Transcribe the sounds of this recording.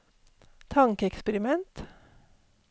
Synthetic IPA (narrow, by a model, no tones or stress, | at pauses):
t̪ʰɑŋkəɛkspəɾɪmɛnt̪